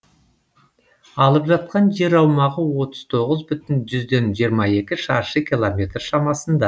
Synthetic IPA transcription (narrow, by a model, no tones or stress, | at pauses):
ɑlˠəpʒɑt̪̚qɑnʒe̞ɾɑwmɑʁəwo̞t̪əz̥t̪ʰo̞ʁəzbʏt̪ɪnʒʏzd̪e̞nʒijəɾmɑe̞kʲɪʃɑɾʃəkʲʰilˠomʲe̞t̪rʃɑmɑsənd̪ɑ